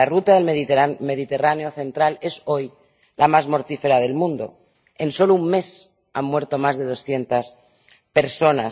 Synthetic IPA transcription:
arut̪aðe̞lmeðime̞ð̞it̪e̞raneo̞θe̞nt̪ɾale̞so̞j | lamazmo̞ɾt̪ife̞ɾað̞e̞lmũnd̪o̞̰ | e̞nso̞loummːe̞s | amːwe̞ɾt̪o̞mazðe̞ð̞o̞sθje̞nt̪as | pe̞ɾso̞na

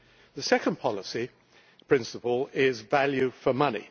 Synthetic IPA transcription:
ðəsɛkə̃npʰɒlɪsi | pʰɹ̥ɪ̃nsəpəlˠɪzvaljʉfəmʌnḭ

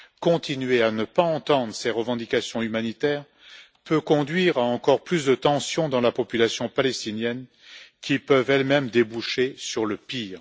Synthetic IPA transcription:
kɔ̃t̪inɥeanəpaɑ̃t̪ɑ̃d̪ʁəsɛʁəvɑ̃d̪ikasjɔ̃ymanit̪ɛːʁ | pøkɔ̃d̪ɥiʁaɑ̃kɔʁplysd̪ət̪ɑ̃sjɔ̃d̪ɑ̃lapɔpylasjɔ̃palɛst̪injɛn | kʲʰipœvɛlmɛmd̪ebuʃesyʁləpiːʁ

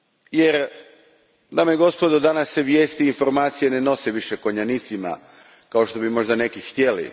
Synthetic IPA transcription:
je̞ɾ | d̪amjeɡo̞spo̞d̪od̪anasːeʋje̞ːst̪iːnfo̞ɾmaːt̪sijene̞no̞seʋiʃeko̞ɲanit̪sima̰ | kaoʃt̪o̞bimo̞ʒd̪ane̞kixt̪je̞lḭ

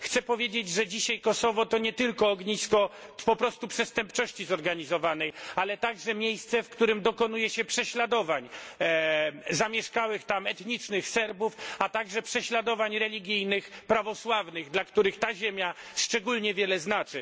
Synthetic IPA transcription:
xt̪sɛpɔvʲjed͡ʑed͡ʑʐɛd͡ʑiɕajkɔsɔvɔt̪ɔɲɛt̪ɘlkɔːɡɲiskɔpɔpɾɔst̪upʂɛst̪ɛmpt͡ʂɔɕt͡ɕizɔɾɡaɲizɔvanɛjalɛt̪aɡʐɛmʲjejst̪sɛfkt̪uɾɘmd̪ɔkɔn̪ujɛɕɛpʂɛɕlad̪ɔvaɲ | zamʲjɛʂkawɘxt̪amɛt̪ɲit͡ʂnɘxsɛɾbufat̪aɡʐɛpʂɛɕlad̪ɔvaɲɾɛlʲiɡʲijnɘxpɾavɔswavnɘɣd̪lakt̪uɾɘxt̪aʑemʲjaʂt͡ʂɛɡulɲɛvʲjɛlɛznat͡ʂɘ

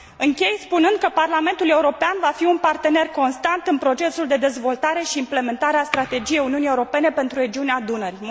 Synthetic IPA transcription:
ɨŋkʲe̞jspunɨnd̪̚kəparlame̞nt̪ule̞uɾo̞peanvafiunpart̪e̞ne̞rko̞nst̪ant̪ɨnpɾo̞t͡ʃe̞suld̪e̞d̪e̞zvo̞lt̪aɾe̞ʃiːmple̞me̞nt̪aɾeast̪ɾat̪e̞d͡ʒije̞juniunijeuɾo̞pe̞ne̞pe̞nt̪ɾuɾe̞d͡ʒiunead̪unəɾi

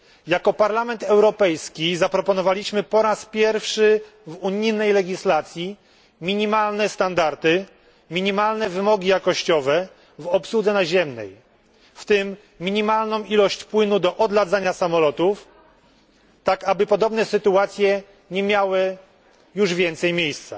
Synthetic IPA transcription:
jakɔpaɾlamɛnt̪ɛwɾɔpɛjskʲizapɾɔpɔnɔvalʲiɕmɘpɔɾaspʲjɛɾfʂɘ | vuɲijnɛjlɛɡʲislat̪sʲji | mʲiɲimalnɛst̪and̪aɾt̪ɘ | mʲiɲimalnɛvɘmɔɡʲijakɔɕt͡ɕɔvɛ | vɔpsud̪zɛnaʑɛmnɛ̰j | ft̪ɘmːʲ | iɲimalnɔ̃w̃ilɔɕt͡ɕpwɘnud̪ɔʔɔd̪lad̪zaɲasamɔlɔt̪uf | t̪akabɘpɔd̪ɔbnɛsɘt̪uat̪sʲjɛ | ɲɛmʲjawɘ | juʐvʲjɛnt̪sɛjmʲjejst̪sa̰

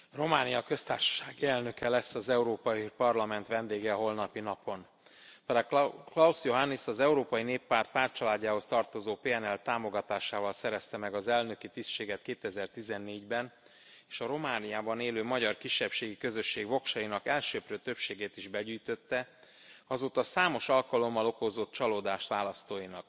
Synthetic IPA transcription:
ro̞maːnijɒkø̞st̪aːrʃɒ̥ʃaːɡiɛlnø̞kɛlɛsːɒzɛuɾoːpɒjipɒrlɒmɛnt̪ʋɛnd̪eːɡɛɒɦo̞lnɒpinɒpo̞n | pɛklɒusjo̞ɦanːisɒzɛuɾoːpɒjineːpːaːrt̪̚paːrt̪̚t͡ʃɒlaːɟːaːɦo̞st̪ɒrt̪o̞zoːpeːɛnɛlt̪aːmo̞ɡɒt̪aːʃaːvɒlsɛɾɛst̪ɛmɛɡɒzɛlnø̞kit̪isʃeːɡɛrt̪keːt̪ɛzɛrt̪izɛnːeːɟbɛn | eːʃɒɾo̞maːnijaːbɒneːløːmɒɟɒrkiʃːɛpʃeːɡikø̞zø̞ʃːeːɡvo̞kʃɒjinɒkɛlʃøːpɾøːt̪ø̞pʃeːɡeːt̪iʒbɛɟyːjt̪ø̞t̪ːɛ | ɒzoːt̪ɒsaːmo̞ʃɒlkɒlo̞mːɒlo̞ko̞zo̞t̪̚t͡ʃɒloːd̪aːʃt̪ʋaːlɒst̪oːjinɒk

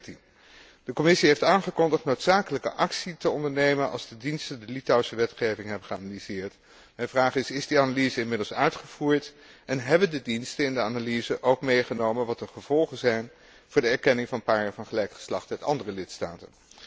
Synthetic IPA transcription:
tin | d̥əkɔmɪsiɦejftaːnχəkɔndəχtnowtsaːkələkəʔɑksitəɔndəɹnejmənɑ̰lˠzdədinstəndəlitawsəʋɛtχejvɪŋɦɛbəχəa̰nalizɪːɹt | mɛjnvraːχɪsɪzdianalizəɪnmɪdlˠsœɥtχəv̥uːɹt | ɛnɦɛbəndədinstəɪndəaːnalizəʔowkmejχənowmənʋɑtəχəv̥ɔlˠχəzɛjn | v̥ʊːɹdəɛɹkɛnɪŋvɑnəpaːɹjaːɹvɑnχəlɛjkχə̥slɑχtɛtɑ̰ndərəlɪtsta̰ːtə̰n

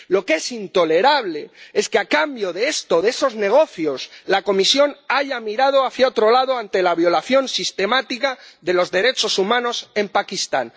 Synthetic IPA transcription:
lo̞ke̞sint̪o̞le̞ɾaβle̞e̞skeakambjo̞ðeest̪o̞ðe̞so̞zne̞ɣ̞o̞θjo̞slako̞misjo̞naʝamiɾað̞oaθjaot̪ɾo̞laðoant̪e̞laβjo̞laθjo̞nsist̪e̞mat̪ikaðe̞lo̞zðe̞ɾe̞t͡ʃo̞sumãno̞se̞mpakist̪a̰n

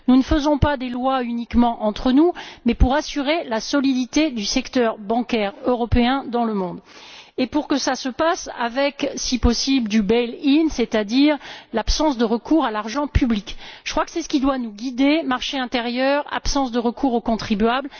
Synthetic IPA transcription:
nunəfəzɔ̃pad̪elwaynikmɑ̃ʔɑ̃t̪χənumɛpuʁasyʁelasɔlid̪it̪ed̪ysɛkt̪œʁbɑ̃kʲɛʁøʁɔpeɛ̃d̪ɑ̃ləmɔ̃d̪epuʁkəsasəpasa̰vɛksipɔsibld̪ybɛlinsɛt̪ad̪iʁlapsɑ̃sd̪əʁəkʰuʁalaʁʒɑ̃pyblikʒ̥ə̥kχwakə̥sɛsə̥kʲid̪wanuɡʲid̪emaʁʃeɛ̃t̪eʁjœʁa̰psɑ̃sd̪əʁəkʰuʁokɔ̃t̪χibɥabl

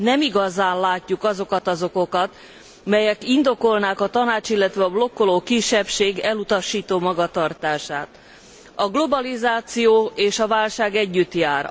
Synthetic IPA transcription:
nɛmiɡɒzaːnlaːcːukɒzo̞kɒt̪ɒzo̞ko̞kɒt̪ | mɛjɛkind̪o̞ko̞lnaːkɒt̪ɒnaːt͡ʃilːɛt̪ʋɛɒblo̞kːoloːkiʃːɛpʃeːɡɛlut̪ɒʃiːt̪oːmɒɡɒt̪ɒrt̪aːʃaːt̪ | ɒɡlo̞bɒlizaːt̪sijoːeːʃɒvaːlʃaːɡɛɟːyt̪jaːr

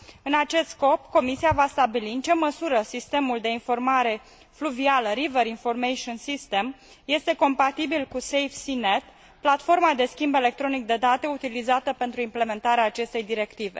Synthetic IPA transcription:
ɨnat͡ʃe̞st̪sko̞pko̞misiavast̪abiliɨnt͡ʃe̞məsuɾəsist̪e̞muld̪e̞info̞rmaɾe̞ | fluvialəɾiveɾinfo̞rmejʃonsist̪e̞m | je̞st̪e̞ko̞mpat̪ibilkusejfsine̞t̪ | plat̪fo̞rmad̪e̞skʲimbe̞le̞k̚t̪ɾo̞nik̚d̪e̞d̪at̪e̞ut̪ilizat̪əpe̞nt̪ɾuimple̞me̞nt̪aɾeaːt͡ʃe̞st̪e̞jd̪iɾe̞kt̪ive̞̰

